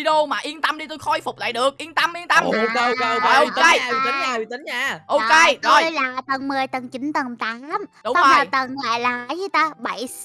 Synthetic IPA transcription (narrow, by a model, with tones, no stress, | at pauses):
i˧ɗo˧maː˨˩ʔi˧ənt̪ə˧mɗi˧t̪u˧jxɔ˧jfʊ˨˩k͡p̚la̰ː˧˨jɗɨ˨˩ək̚ʔi˧ənt̪ə˧mʔi˧ənt̪ə˧m˧ɔ˨˩ʔo˧ke˧j̪i˨˦ŋː˨˧˩t̪i˨˦˨ʔo˧˨ke˧t̪o˧˩j̪jlaː˨˩t̪ə˨˩ŋmɨ˨˩əjt̪ə˨˩ŋt͡ɕï˨˦nt̪ə˨˩nt̪aː˨˦mɗa˧laː˨˩t̪ə˨˩nŋa̰ː˧˨jlaː˨˩zɨ˨˦t̪aː˧ɓa˧˩j